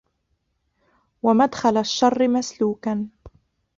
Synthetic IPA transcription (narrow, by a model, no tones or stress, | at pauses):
wamad̪xalaʃːɑrˤːɪmasluːkan